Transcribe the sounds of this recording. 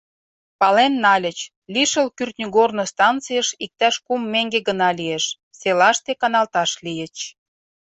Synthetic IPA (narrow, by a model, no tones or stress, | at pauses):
pɑlenːɑlʲə̆t͡ɕ | lʲiʃəlkyrt̪nʲyɡornost̪ɑnt͡sijəʃik̚t̪æʃkumːeŋɡeɣənɑlieʃ | selɑʃt̪ekɑnɑlt̪ɑʃlijə̆t͡ɕ